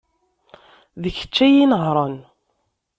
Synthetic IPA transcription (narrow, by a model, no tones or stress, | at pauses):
ðəçə̥t͡ʃːæjinəɦɾˤɑn